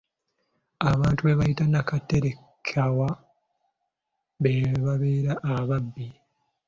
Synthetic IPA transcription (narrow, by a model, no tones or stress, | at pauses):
aβaːntuβeβajitanakatːeɾe | kʰawa | βeβaβeːɾaʔːβabːi